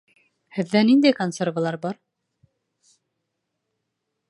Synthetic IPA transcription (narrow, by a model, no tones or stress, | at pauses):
hɘ̆ðːænind̪æjkonsʲervalˠɑɾbɑɾ